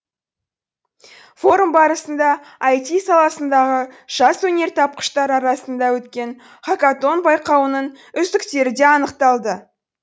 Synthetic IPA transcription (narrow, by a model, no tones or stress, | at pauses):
fo̞ɾumbɑɾəsənd̪ɑ | ɑjt̪isɑlˠɑsənd̪ɑʁəʒ̥ɑswɵne̞ɾt̪ʰɑp̚qə̥ʃt̪ɑɾɑɾɑsənd̪ɑwɵt̪kʲe̞ɴ | χakat̪o̞nbɑjqɑwənəɴ | ʏzd̪ɪkt̪e̞ɾɪd̪e̞ɑnəqt̪ɑlˠd̪ə